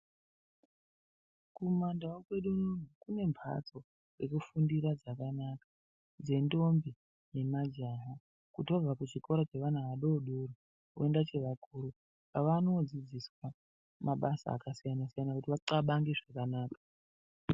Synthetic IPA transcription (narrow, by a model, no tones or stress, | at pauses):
kumandawokwe̞ɗununukune̞mbʱa̰t͡so̞ | re̞kufundiɾad͡zakanakḁ | d͡ze̞ndo̞mbi | je̞mad͡ʒaɦa | kutiab͡vakut͡ʃiko̞ɾat͡ʃe̞ʋan̤aʋaɗoːɗuri | o̰endat͡ʃe̞ʋakuːɾu | paʋano̞d͡zid͡ziswa | maɓasa̰ːkasijanasijanakutiʋaǀaɓaŋɡeʐakanaːkḁ